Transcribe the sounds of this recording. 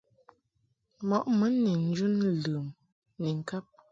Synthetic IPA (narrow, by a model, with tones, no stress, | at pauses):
mɔ˨ʔmə˨˦ni˨n̩˦d͡ʒu˦nlɨː˨m | ni˨ŋ̩˨ka˦p̚